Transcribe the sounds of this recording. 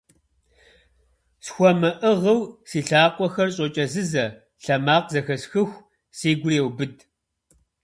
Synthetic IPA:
sxʷɔmɨʔɨʁɐwsiːɬaːqʷʼɔxɐrɕʼot͡ʃʼɐzɨzɐ | ɬɐmaːqzɐxɐsxɨxʷ | siːɡʷʊrewbɨd

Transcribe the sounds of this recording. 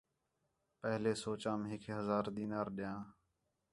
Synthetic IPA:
pəɦleːsoːt͡ʃãːmɦɪkʰɦəzaːɾd̪iːnaːɾɗɪjãː

